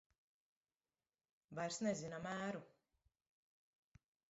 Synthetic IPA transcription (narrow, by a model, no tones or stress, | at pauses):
vajɾsnezinamæːɾu